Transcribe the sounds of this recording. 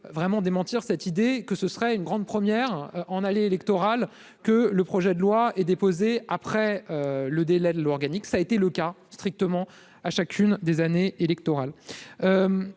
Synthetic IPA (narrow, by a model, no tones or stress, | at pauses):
vʁɛmɑ̃d̪emɑ̃t̪iʁsɛt̪id̪ekəsəsχɛynɡʁɑ̃d̪pχəmjɛʁʔɑ̃naleːlɛkt̪ɔʁal | kələpχɔʒɛd̪əlwaɛd̪epozeapχɛøləd̪elɛd̪lalwaɔʁɡaniksaet̪eləkast̪χik̚t̪əmɑ̃ | aʃakʲʰynd̪ezaneelɛk̚t̪ɔʁaløm